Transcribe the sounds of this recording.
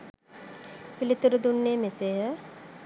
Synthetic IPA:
pilit̪uɾud̪unːeːmeseɦə

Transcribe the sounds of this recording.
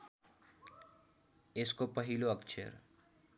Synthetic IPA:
eskopəɦiloʌksʰḛɾ

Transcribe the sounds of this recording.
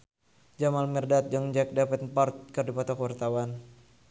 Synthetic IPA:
d͡ʒamalmɛrdat̪̚d͡ʒaŋd͡ʒak̚dapət̪pɔrt̪̚kɨrdipɔt̪ɔkəwart̪awan

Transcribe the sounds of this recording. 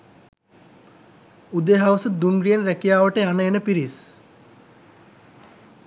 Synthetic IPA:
ud̪eɦawsəd̪unɾijenɾækijaːʋəʈəjanəenəpiɾis

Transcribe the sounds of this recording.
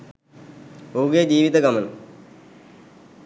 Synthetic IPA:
uːɡed͡ʑiːʋid̪ɐɡɐmɐnɐ̰

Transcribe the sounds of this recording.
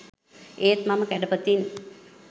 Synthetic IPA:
eːt̪maməkæɖəpət̪in

